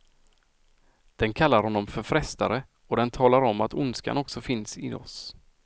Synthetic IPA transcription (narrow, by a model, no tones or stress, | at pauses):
d̪̥ɛnkʰalːaɾhɔnːɔmfœɾfɾɛst̪aɾə | ɔd̪ɛnt̪ʰɑːlaɾɔmːat̪ʊnska̰nɔksɔfɪnsɪ̰ɔ̰s